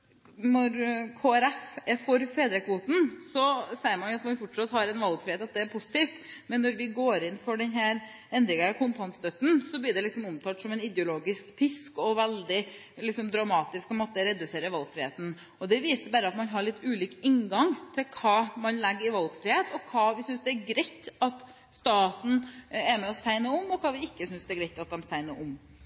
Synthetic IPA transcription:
nɔɾkʰoːæɾɛfɛfɔɾfeːd̪ɾəkʰʋuːt̪n̩sɔsɛɪəɾmɑnjʊɑt̪mɑnfɔʈʂɑt̪ːhɑɾɛnʋɑlɡfɾɪheːt̪ɑt̪d̪ɛːɾpʰʊsɪt̪iːft̪mɛnːɔɾʋɪɡoːɾɪnfɔɖɛnɦæːɾ | ɛnd̪ɾɪŋəkʰʊnt̪ʰɑnt̪st̪œt̪ːn̩sɔblɪɖ̪ɛlɪksɔmʊmt̪ʰɑːt̪sɔmɛnɪd̪jʊloːɡɪskpʰɪskɔʋɛld̪ɪ | lɪksɔmd̪ɾɑmɑːt̪ɪskɑmɔt̪ːəɾɛd̪ʉseːɾəʋɑlɡfɾɪheːt̪n̩ | ɔd̪ɛʋiːsəbæːɾəɑt̪mɑnɦɑɾɭɪt̪ːʉːliːkɪŋɡɑŋt̪ʰɪlkʰɑːmɑnlɛɡːəɪʋɑlɡfɾɪheːt̪ʰɔkʰɑːʋɪsʏnsd̪ɛæɾɡɾɛɪt̪ːɑt̪ | st̪ɑːt̪n̩ɛɾmɛɔst̪æɪnəʊmɔkʰɑːʋɪɪkːəsʏnsd̪ɛæɡɾæɪt̪ɑt̪̚d̪ɛmst̪æɪnəɾʔʊm

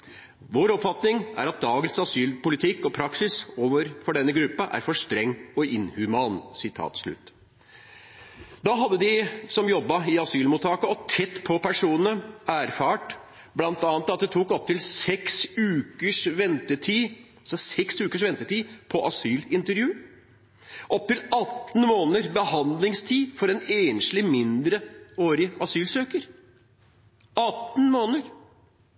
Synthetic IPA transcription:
ʋoːɾɔpfɑt̪nɪŋʔæ̰ɾɑt̪̚d̪ɑːɡənsɑsyːlpʊlɪt̪ʰɪkːɔpʰɾɑksɪsoːʋəɾfɔɖɛnːəɡɾʉpːɑʔæ̰ɾfɔʂt̪ɾɛŋːɔʔɪnhʉmɑːnsɪt̪ʰɑ̰ːt̪sɭʉ̰t̪ː | d̪ɑːɦɑd̪ːəd̪ɪsɔmjɔbːɑɪɑsyːlmuːt̪ʰːɑːkəɔt̪ʰɛt̪ːpʰɔpʰæʂuːnənəæːɾfɑːʈ | blɑnt̪ɑːnət̪ɑt̪̚d̪ɛt̪ʰuːkɔp̚t̪ɪlsɛksʉːkəʂʋɛnt̪ət̪ʰiː | lsɔsɛksʉːkəʂʋɛnt̪ət̪iːpʰɔʔɑsyːlɪnt̪əɾjʉː | ʔɔp̚t̪ɪlɑt̪ːn̩moːnəɾbəhɑnd̪lɪŋst̪ʰiːfɔɾɛneːnʂlɪmɪnd̪ɾəoːɾɪɑsyːlsøːkəɾ | ɑt̪ːn̩moːnəɾ

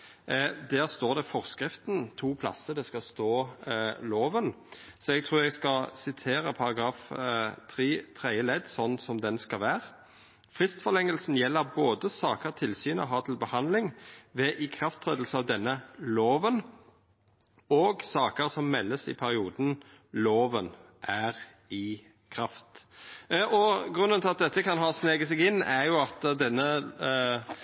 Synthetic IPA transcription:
d̪æːʁst̪oːd̪ɛfɔʁskɾɪft̪n̩t̪ʰuːpʰlɑ̰sːəd̪ɛskɑst̪oːloːʋən | sɔɛɡ̚t̪ʰʁuːɾɛɡskɑlsɪt̪ʰeːɾəpʰɑʁɑɡɾɑːft̪ʰʁiːt̪ʰʁɛɪəlɛd̪sɔnːsɔmd̪ɛnskɑʋæːʁ | fʁɪst̪fɔʁlɛŋːəlsn̩jɛlːəɾboːd̪əsɑːkəʁt̪ʰɪlsyːnəɦɑt̪ʰɪlbəhɑnlɪŋʋɛʔɪkʰɾɑft̪ʰʁɛːd̪l̩səɑʋd̪ɛnːəloːʋən | oːɡsɑːkəʁsɔmːɛlːəsɪ̰pʰæɾɪuːd̪n | loːʋən | ʔæʁ | ɪ | kʰɾɑft̪ | ɔɡʁʉnənt̪ɪlɑt̪̚d̪ɛt̪ːəkʰɑnɦɑːsneːɡəsɛɡɪnːæʁjʊɑt̪d̪ɛnːə

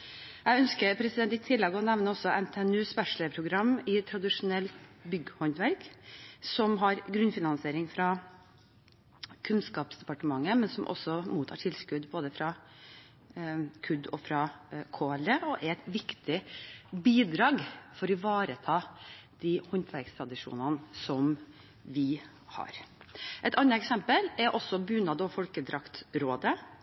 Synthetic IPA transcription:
jæœnskəpʰɾɛsɪd̪ɛnt̪ɪt̪ʰɪlːɛɡɔnɛʋnəɔsɔʔɛmt̪ʰeɛnʉːspæʂɭəpʰɾʊɡɾɑmːɪt̪ʰɾɑd̪ɪʂʊnɛlt̪bʏɡhɔnt̪ʋæɾksɔmɦɑɾɡɾʉnfɪnɑnseːɾɪŋfɾɑ | kʰʉnskɑːpsd̪ɛpɑʈəmɑŋːəmɛnsɔmʔɔ̰sɔmuːt̪ʰɑ̰ːʈʰɪlskʉd̪boːd̪əfɾɑ | kʰʉd̪ɔfɾɑkʰoːɛleɔʔɛɾɛt̪ʋɪkt̪ɪbiːd̪ɾɑːɡfɔɾiʋɑːɾət̪ʰɑːd̪̥ihɔnt̪ʰʋæɾkst̪ʰɾɑd̪ɪʂṵːnənsɔm | ʋɪ | hɑ̰ɾʔɛt̪ʰɑnɑɛksɛmpəlɛɾʔɔsːɔbʉnɑd̪ɔfɔlkəd̪ɾɑkt̪ɾoːd̪ə

